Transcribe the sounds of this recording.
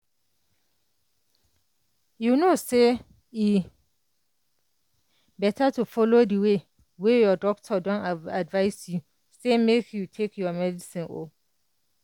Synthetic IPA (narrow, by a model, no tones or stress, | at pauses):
junose | i | bɛtʰatʰufɔlodiwe | wejɔdɔk̚tʰɔdɔ̃nadvaɪsju | semekjutʰekʰjɔmɛdisĩno̰